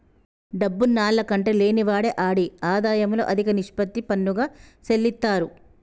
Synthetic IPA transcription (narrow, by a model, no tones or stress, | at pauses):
ɖɐbːunaːlːɐkɐɳʈe̞ːle̞ːniʋaːɽeʔaːɽiaːd̪aːjɐmlo̞ːʔɐd̪ʱikɐniʂpɐt̪ːipɐnːuɡaːselːit̪ːaːɾu